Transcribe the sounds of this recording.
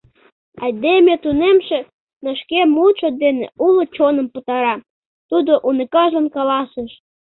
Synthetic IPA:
ɑd̪emet̪unemʃe | nə̆ʃkemuʃod̪enḛulot͡ɕonə̆mput̪ɑɾɑ | t̪ud̪oʔunəkɑʒənkɑlɑseʃ

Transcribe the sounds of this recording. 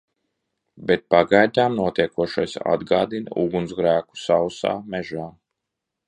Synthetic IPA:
bet̪̚paɡajd̪ʲaːmnuɔt̪iɛkuɔʃajsa̰d̪ɡaːd̪inuɡunsɡɾæːku̥sawsa̰ːmɛʒaː

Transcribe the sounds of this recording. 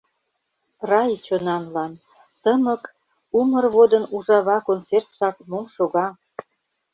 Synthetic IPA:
rɑjt͡ɕonɑnlɑn | t̪əmək | umərβod̪ə̆nuʒɑβɑkont͡sert̪ʃɑkmomʃoɣɑ

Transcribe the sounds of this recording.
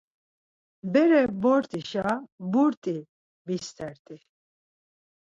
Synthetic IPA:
bɛɾɛbɔɾt̪ʼiʃabuɾt̪ʼi | bist̪ʰɛɾt̪ʼi

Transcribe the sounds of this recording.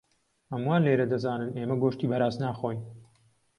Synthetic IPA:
hɐmwaːnleːɾɐd̪ɐzaːnɨneːmɐɡoːʃt̪iːbɐɾaːznaːxoːj

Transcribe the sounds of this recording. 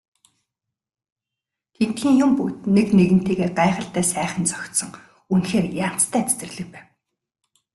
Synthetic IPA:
t̪ʰen̥t̪xiːŋjʊmput̪̚nekneɣɘ̆n̥t̪eːɣeːɢaːχə̆ɬt̪æːsæːχə̆nt͡sɔxʲt̪sɞ̆ŋ | unxeːrjaːm̥t͡st̪ʰæːt͡sʰt̪ɘ̆rɮɘ̆k̚pæːw

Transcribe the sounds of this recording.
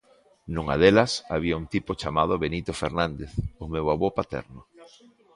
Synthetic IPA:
nũŋa̰ðelɐsaβiaunt̪ipʊt͡ʃamað̞oβenit̪ofeɾnand̪eθʊmewaβopat̪ɛ̰ɾnʊ

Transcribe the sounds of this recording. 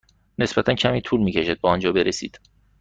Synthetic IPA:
ne̞sbæt̪ʰæncʰæmiːt̪ʰuːlmiːcʰe̞ʃid̪̚bɒɒnd͡ʒɒːbe̞ɾesḭːd̪̥

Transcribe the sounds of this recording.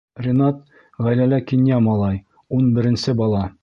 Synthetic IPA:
rʲɪnɑt̪ | ʁæjlælækinʲjamɒlˠɑj | unbɘ̆ɾɘ̆nsɘbɒlˠɑ

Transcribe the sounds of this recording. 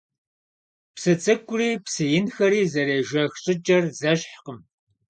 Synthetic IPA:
psɨt͡sʼɨkʷʼʊriːpsɨjɪnxɐɾiːzɐɾeːʒɐxɕʼɪt͡ʃʼɐrzɐɕħqəm

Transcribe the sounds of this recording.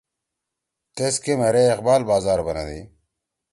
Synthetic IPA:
t̪eskemɐɾeːqbaːlbaːzaːɾbɐnɐ̰d̪ḭ

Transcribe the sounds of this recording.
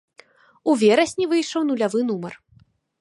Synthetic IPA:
uvʲɛɾɐsʲnʲivɨjʂɐwnulʲavɨnumɐr

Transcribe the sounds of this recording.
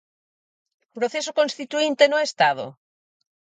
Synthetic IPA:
pɾoθesokonst̪it̪uint̪enoest̪að̞o̰

